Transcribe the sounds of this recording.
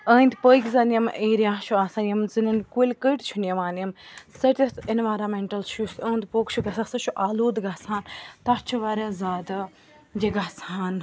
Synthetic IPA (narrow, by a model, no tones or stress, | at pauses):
əːnd̪ʲpəkʲzɐnjɐmʔeːɾjaːʃʰuaːsaːnʲjɐmzɨnɐnkulʲkəiʈt͡ʃʰunjɐʋaːnɐmsɐɾt̪ʲɐt̪enʋaːjɾɐːmeɳʈɐlt͡ʃʰjusʲɐːnd̪poːkt͡ʃʰuɡɐsasɐʃʰuʔaːloːd̪ɡasaːnt̪at͡ʃʰuʋaːɾʲaːzaːd̪ɨ | jeɡasaːn